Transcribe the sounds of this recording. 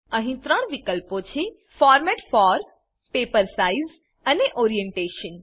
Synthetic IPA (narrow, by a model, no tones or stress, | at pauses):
əɦĩt̪ɾə̃ɽ̃ʋɪkəlpot͡ʃʰe | fɔːɾmɛʈfɔɾ | peːpəɾsaiz | əneʔoːɾijẽɳʈeːʃən